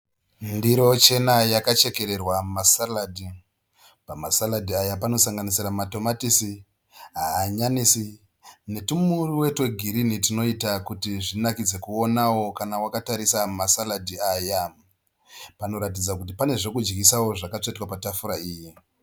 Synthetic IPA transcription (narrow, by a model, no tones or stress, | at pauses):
ndiɾo̞t͡ʃe̞najakat͡ʃe̞ke̞ɾe̞rwammasaladʱi | pamasaladʱiajapano̞saŋɡanisiramato̞matisi | ɦaːɲanisi | ne̞tumuriwe̞twe̞ɡʱiɾinitino̞itakutiʐinakid͡ze̞kuo̞nawo̞kanawakataɾisammasaladʱiaja | pano̞ɾatid͡zakut̬ipane̞ʐe̞kud͡ʒɡisawo̞ʐakat͡ʂaitwapatafuɾaiːji